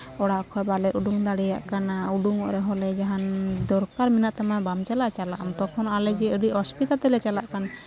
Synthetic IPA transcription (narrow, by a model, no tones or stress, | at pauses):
ɔɽaʔkʰɔjbalɛʔuɖuŋd̪aɽɛjaʔkanauɖuŋɔʔɾɛɦɔlɛd͡ʒaɦand̪ɔɾkaɾminaʔt̪amabamt͡ʃalaʔt͡ʃalaʔamt̪ɔkʰɔnalɛd͡ʒɛəɖiʔhɔspit̪at̪ɛlɛt͡ʃalaʔkan